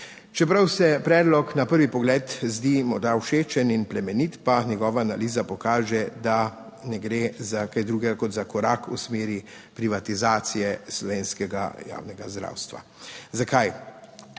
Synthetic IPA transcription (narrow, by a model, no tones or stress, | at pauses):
t͡ʃɛpɾawsɛpɾɛːd̪lɔknapəɾʋipɔɡlɛːt̪zd̪imɔɾd̪awʃeːt͡ʃɛninplɛmɛnit̪panjɛɡɔːʋaːnaliːzapɔkaːʒɛd̪a | nɛɡɾezakajd̪ɾuːɡɛɡakɔt̪zakɔɾakṵsmeːɾi | pɾiʋat̪izaːt̪sijɛslɔʋeːnskɛɡa̰ja̰ːwnɛɡazd̪ɾa̰ːwst̪ʋa̰zakaj